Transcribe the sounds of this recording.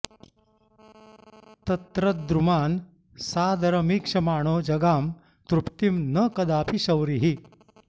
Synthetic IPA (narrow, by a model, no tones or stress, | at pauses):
t̪ɐt̪ɾəd̪ɾumaːn | sad̪ʱaɾmikʂɐmaːɽ̃od͡ʑɐɡam | t̪ɾupt̪imnəkɐd̪apʰiɕɐwɾiɦi